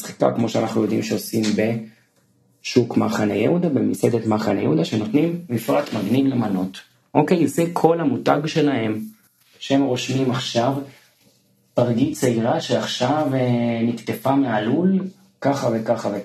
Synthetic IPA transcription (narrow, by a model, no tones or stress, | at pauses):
sχi̥ka̰kmo̞ʃeanaχnujo̞d̪imʃeo̞simbe̞ | ʃukmaχanejḛud̪abemised̪etmaχanejeud̪aʃeno̞t̪nimːifʁat̪maɡnivlemano̞t | ʔokejsekʰo̞lhamuta̰ɡʃe̞lahe̞m | ʃehemʁo̞ʃmimaχʃav | paʁɡit͡seiʁaʃeaχʃavenikt̪e̞famealul | kaχave̞kaχave